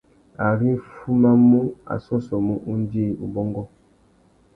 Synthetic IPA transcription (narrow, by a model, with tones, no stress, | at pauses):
a˨ɾi˦fu˦ma˦mu˦a̰˨sɔ˦sɔ˨mu˦ʔu˦n˦di˦˨u˨bɔ˦ŋɡɔ˦